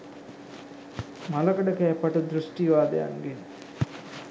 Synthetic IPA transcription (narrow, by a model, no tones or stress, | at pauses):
malɐkɐɖɐkæːpɐʈud̪ɾusʈiʋaːd̪ɐ̰ja̰ŋɡen